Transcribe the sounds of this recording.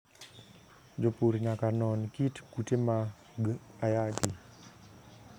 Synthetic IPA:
d͡ʒopoɾɲakanɔnkitkutema | ɡajaki

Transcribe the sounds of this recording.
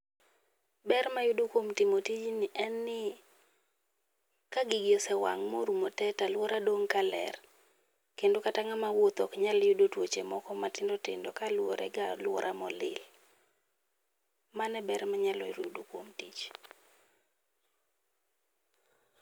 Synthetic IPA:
bɛrmajʊdokwomtɪmotit͡ʃnɪʔɛnːɪ | kaɡɪɡɪɔsɛwa̰ŋmo̰ɾumotɛtalwoɾadoŋkalɛ̰r | kendokataŋamawot̪ɔ̰kɲaljudotwot͡ʃemɔkɔmatɪndɔtɪ̰ndɔkalwoɾɛ̰ɡalwɔɾʔamɔlɪ̰l | manɛbɛɾmaɲalɔjɾjudokwomtit͡ʃ

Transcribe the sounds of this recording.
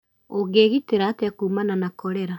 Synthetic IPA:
oɣeɣiteɾaːteakuːmananakɔɾɛɾa

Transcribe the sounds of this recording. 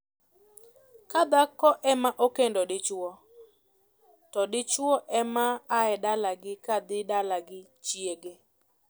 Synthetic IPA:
kad̪akɔʔɛmaʔokendɔdɪt͡ʃwɔ | tɔdɪt͡ʃwɔʔɛmaːɛdalaɡɪkad̪ɪdalaɡɪt͡ʃjeɡe

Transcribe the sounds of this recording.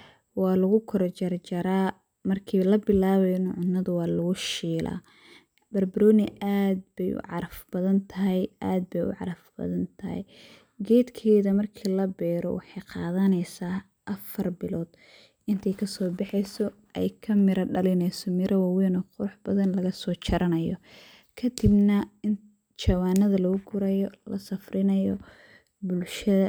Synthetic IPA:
wɑːlɐɣʊkʰɔɾɔt͡ʃɐrt͡ʃɐɾaː | mɐrkʰiːlɐbɪlaːβɛjnʕʊnːɐðʊwɑːlʊɣʊʃiːlʔa̰ː | b̥ɐrbɪɾɔːnɪʔaːd̪̚bɛjʔʊ̰ʕɑɾɐfb̥ɐðɐnt̪ʰɐɦɛjʔaːd̪̚bɛjʊ̰ʕɑ̰ɾɐfbɐ̰ðɐnt̪ʰɐhɛ̰j | ɡɛːd̪kʰɛːðɐmɐrkʰiːlɐbɛːɾɔ̰wɑ̰ħɑjqɑːðɐnɛjsaː | ʔɐfɐrbɪlɔːd̪ | ʔɪnt̪ʰɛjkʰɐsɔːbɑħɛjsɔ | ʔɛ̰jkʰɐmɪɾɐɖɐlɪnɛjsɔmɪɾʔɐwɑwɛnɔːqʊɾʊħb̥ɐðɐnlɐɣɐsɔːt͡ʃʰɐɾʔɐnɐjɔ | kʰɐd̪ɪbnɐɪn | t͡ʃɐwaːnːɐðɐlɐɣʊɡʰʊɾɐjɔlɐ̰sɐfrɪnɐjɔ | bʊlʃɐðɐ

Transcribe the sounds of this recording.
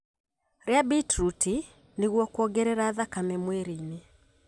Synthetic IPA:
ɾeabitɾuti | neɣwɔkwɔɣɛɾɛɾaːðakamɛmweɾine

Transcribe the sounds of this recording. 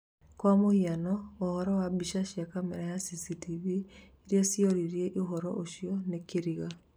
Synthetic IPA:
kwamohianɔːhɔɾɔwabiʃaʃiakamɛɾajasisitivieɾiosioɾiɾieʔoɦɔɾɔʔoʃiɔnekeɾiɣa

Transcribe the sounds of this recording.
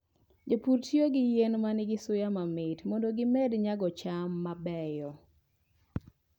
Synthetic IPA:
d͡ʒopuɾtjoɡɪjenmanɪɡɪsʊjamamɪtmɔndoɡɪmɛdɲaɡɔt͡ʃamːabɛjɔ

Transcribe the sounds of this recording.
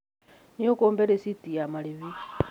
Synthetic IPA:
niokoːmbeɾesitiamaɾiβi

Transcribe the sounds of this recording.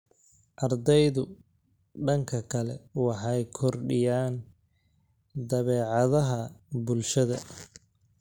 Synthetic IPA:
ʔɑrd̪ɛjðʊ | ɖɐŋkʰɐkʰɐlɛwɑħɑjkʰɔrɖɪjaːn | d̪ɐβɛːʕɑðɐɦɐbʊlʃɐðɐ

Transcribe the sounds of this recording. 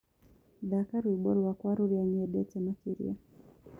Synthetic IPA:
ðakaɾiiɓɔɾwakwaɾuɾiaɲɛɗɛtɛmakiɾḭa

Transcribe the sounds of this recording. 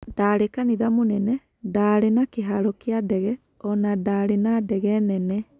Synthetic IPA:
d̥aːɾekaniðamonɛnɛ | daːɾenakeɦaɾɔkeadɛɣɛ | ɔnadaɾenadɛɣɛnɛnɛ

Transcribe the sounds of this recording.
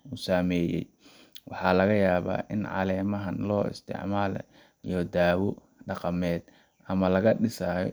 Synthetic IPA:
usaːmɛːjɛ̰j | wʔɑħɑːlɐɣɐjaːβa̰ːʔɪnʕɑ̰lɛːmɐɦɐnlɔːɪ̰st̪ʰɪ̰ʕmaːlɐ̰ | ijɔd̪aːwɔ | ɖɑqɑmɛːd̪ | ʔɐmɐlɐɣɐɖɪsaːjɔ̰

